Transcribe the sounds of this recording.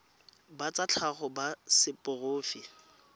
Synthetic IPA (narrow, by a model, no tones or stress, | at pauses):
bat͡sat͡ɬʰaχɔbasɪpʼʊroːfi